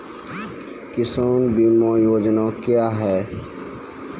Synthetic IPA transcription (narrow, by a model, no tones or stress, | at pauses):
kɪsoːnbiːmõjoːd͡ʒnakjaːɦɛː